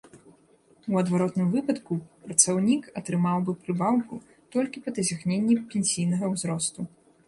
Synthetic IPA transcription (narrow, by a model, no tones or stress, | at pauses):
uɐd̪vaɾɔt̪nɨmvɨpɐt̪kupɾɐt̪sawnʲikɐt̪ɾɨmawbɨpɾɨbawku | t̪ɔlʲkʲipɐd̪ɐzʲaxnʲenʲːɛpʲenʲsʲijn̪ɐɣɐwzɾɔst̪u